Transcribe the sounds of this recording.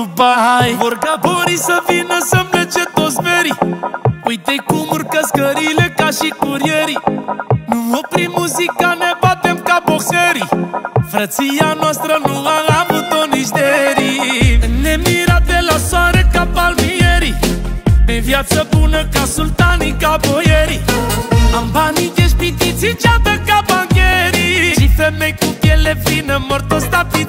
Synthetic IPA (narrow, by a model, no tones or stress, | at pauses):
bajvorɡaboɾisəvinəsəmlet͡ʃet̪ot̪sveɾi | ujt̪ejkumurkəskəɾile̞kaʃikuɾijeɾinuvopɾimuzikanebat̪emkaboseɾifɾət̪sianoast̪ɾənuaavut̪onit͡ʃd̪eɾinemiɾad̪ɛlaswaɾekapalmieɾi | pẽvjat̪səbunəkasult̪anikaboeɾimambanikeʃpit̪it͡sit͡ʃad̪əkabaɲeɾiʃifemẽjkupjelepɾinɐmoɾt̪ost̪api